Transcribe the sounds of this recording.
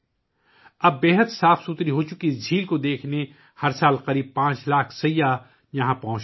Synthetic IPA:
ɐbːeːɦət̪saːfsut̪ɾiɦot͡ʃʊkid͡ʒʱiːlkod̪eːkʰne | hɐɾsaːlqɐɾiːb̚pãːt͡ʃlaːkʰsɐjːa | jɐɦãpɔ̃ɦʊ̃t͡ʃ

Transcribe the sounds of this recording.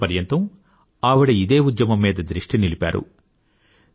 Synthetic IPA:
ɐɾjɐnt̪ɐm | aːʋiɽɐid̪e̞ːud̪jɐmɐmːiːd̪ɐd̪ɾiʂʈinilipʲa̰ːɾṵ

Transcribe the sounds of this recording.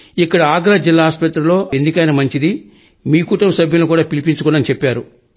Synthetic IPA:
ikːɐɽɐaːɡɾaːd͡ʒilːaːɦaːspɐt̪ɾɐlo̞ːend̪ikɐjnɐmɐɲt͡ʃid̪i | miːkuːʈɐmsɐbʱjulnukuːɽaːpilipiɲt͡ʃukɔnːɐnit͡ʃepːaːɾu

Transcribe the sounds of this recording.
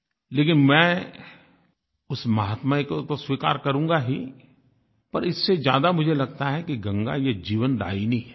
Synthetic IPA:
leːkɪnmɛ̃ː | ʊsmɐɦaːt̪makot̪oswiːka̰ːɾkɐɾũːŋɡaɦi | pɐɾɪsːezja̰ːd̪amʊd͡ʒʱelɐɡ̚t̪aɦɛkiɡɐ̃ŋɡa̰jed͡ʒiːʋənd̪a̰ːinĩɦɛː

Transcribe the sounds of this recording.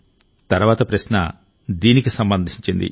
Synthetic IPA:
t̪ɐɾuʋaːt̪ɐpɾɐʃnɐ̰ | d̪iːnikisɐmbɐnd̪ʱiɲt͡ʃind̪ḭ

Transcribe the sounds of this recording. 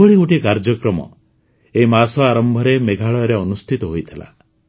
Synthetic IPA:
ɔɭiuʈikaɾd͡ʒɔkɾɔmɔ̰ | eimasɔaɾɔmbʱɔɾemeɡʱaɭɔjɔɾeɔnust̪ʰit̪ɔɦojt̪ʰila̰

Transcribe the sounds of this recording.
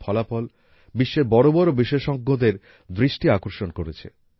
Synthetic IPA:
pʰɔlapɔl | biʃːeɾbɔɾobɔɾobiʃeʃɔɡʱːod̪eɾ | d̪ɾiʃʈiakoɾʃonkoɾet͡ɕʰḛ

